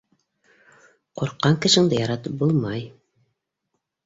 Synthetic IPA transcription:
quɾqːɑŋkɘ̆ʃɘ̆ŋd̪ɤjɑɾɑt̪ɤp̚bulˠmɑj

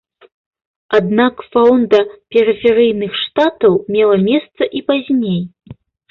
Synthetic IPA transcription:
ad̪nakfawnd̪ɐpʲɛɾɨfʲɛɾɨjnɨxʂt̪at̪ɐwmʲɛlˠɐmʲɛst̪sɐʔipazʲnʲej

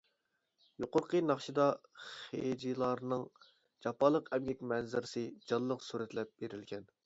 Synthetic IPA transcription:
joqʊɾqənɑχʃɨd̪ɑχḛd͡ʒilˠɑɾnɨŋ | d͡ʒɑpːɑlˠəqɛmɡʲɛkʲmɛnzɪɾɪsɪd͡ʒɑlˠːəqsuɾɛt̪lɛp̚b̥eɾɪlɡʲɛn

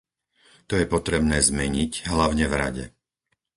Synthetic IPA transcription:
t̪ɔjɛpɔt̪ɾɛbnɛːzmɛɲiɟɦlaʊɲɛvɾa̰ɟɛ̰

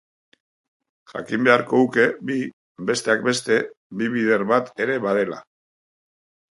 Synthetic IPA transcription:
ʝa̰kimbe̞aɾko̞ðuke̞bi | be̞st̪e̞ak̚be̞st̪e̞ | biβiðe̞ɾβat̪e̞ɾe̞βaðe̞la̰

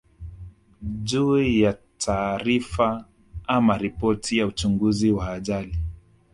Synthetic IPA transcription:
ʄuːjatʰaːɾifa | amaɾipɔtʰijaut͡ʃuŋɡuziwaːʄali

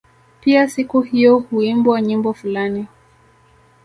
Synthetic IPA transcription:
piasikuhijɔhuimbwaɲimbɔfulani

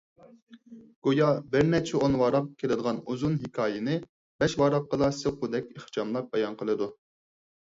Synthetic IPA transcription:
ɡ̥ojɑbɪɾnɛt͡ʃʰɛonwɑɾɑp̚kʲʰelɪd̪əʁɑnuzunɦikʰɑːjɪnɪ | b̥ɛʃwɑɾɑp̚qːəd̪ɑsɨqʰʊd̪ɛkʲeχht͡ʃɑmlˠɑp̚bɑjɑnqʰəlˠɨd̪u

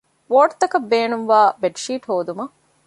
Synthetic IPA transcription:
ʋoːʈt̪ɐkɐbːeːnumʋaːbeɖʃiːʈhoːd̪umɐ

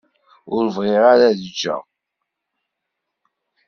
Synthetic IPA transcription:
ʊɾvʁeɾaɾæðəd͡ʒːæ̰

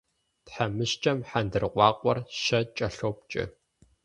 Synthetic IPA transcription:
tħamɨɕt͡ʃʼɐmħandɨrqʷʼɑːqʷɔrʃɐt͡ʃʼɐɬoːp̚t͡ʃʼɪ̰

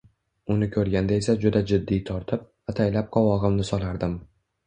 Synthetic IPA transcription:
ʊnɪkʲʰɵɾɡʲand̪ae̞sad͡ʒʊd̪ad͡ʒɪd̪ːijt̪ʰɒɾt̪ʰɪp̚ | at̪ʰajlap̚qʰɒwɒʁɨmnɪsɒlˠaɾd̪ɪm

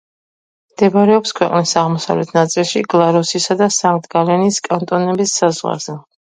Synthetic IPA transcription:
md̪̥ɛbaɾɛɔpskʰwɛqʼnisaʁmɔsa̰vlɛt̪ʰnat̪sʼilˠʃiɡlˠaɾɔsisad̪asaŋkt̪ʼɡalɛniskʼant̪ʼɔnɛbisːazʁwa̰z̥ɛ

